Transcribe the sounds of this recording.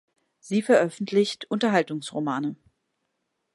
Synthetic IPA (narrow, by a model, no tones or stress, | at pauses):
z̥iːfɛɐʔœfn̩tʰlɪçtʰʔʊntɐɦaltʊŋsʁomaːnə